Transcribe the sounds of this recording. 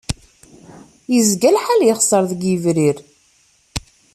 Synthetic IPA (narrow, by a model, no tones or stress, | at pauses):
jəzɡælħaljəχsˤəɾˤðəɡjəvɾiɾ